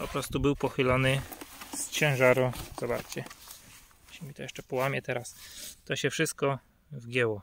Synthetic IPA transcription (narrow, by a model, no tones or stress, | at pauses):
pɔpɾɔst̪ubɘwpɔxɘlanɘst͡ɕɛ̃w̃ʐaɾuzaba̰ɾt͡ɕɛ | ɕɛmʲit̪ɔjɛʂt͡ʂɛpɔwamʲjɛt̪ɛɾast̪ɔɕɛfʂɘst̪̚kɔ | vɡʲjɛwɔ